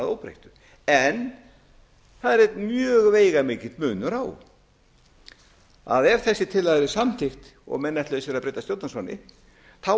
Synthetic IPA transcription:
ðo̰wpɾḛjht̪ʏ̥ | ɛn | θaðɪɾejt̪nmjœːɣveːjɣamɪːcɪ̥t̪mʏːnʏɾaw | a̰ðɛɾ̥θɛsːɪt̪ʰɪlaðɾɪsamt̪ʰɪxt̪ɔ̰ɣmɛnːɛht̪lœðs̬ɛɾaðpɾeːt̪ast̪jowt̪nasvanɪ̰ | θa

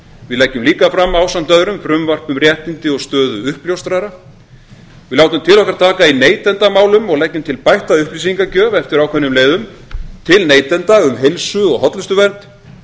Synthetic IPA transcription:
vɪðlɛcːʏmliːkafɾamːaːwsamn̥t̪œðɾʏmfɾʏmvar̥pʏmɾjɛht̪int̪ɪɔɣst̪œːðʏʏhpljowst̪ɾaɾa | vɪðlaːwt̪ʏmt̪ʰɪlɔhkaɾ̥t̪ʰaːkaineːjt̪ɛnt̪amaːwlʏmɔɣlɛcːʏmt̪ʰɪlpajht̪aʏhplis̬iŋkacœːvɛft̪ɪɾawkʰvɛnːʏmleːjðʏm | t̪ʰɪlneːjt̪ɛnt̪aʏmɦejlsʏɔɣɦɔt̪lʏst̪ʏvɛnt̪

